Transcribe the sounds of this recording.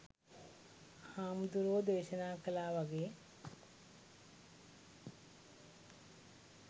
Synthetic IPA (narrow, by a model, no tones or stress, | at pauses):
haːmd̪uɾoːd̪eːʃɐnaːkɐlaːʋɐɡeː